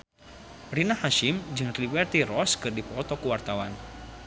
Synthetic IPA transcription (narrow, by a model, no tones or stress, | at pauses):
rinahaʃimd͡ʒɨŋribɛrt̪iɾɔskɨrdipɔt̪ɔkuwart̪awan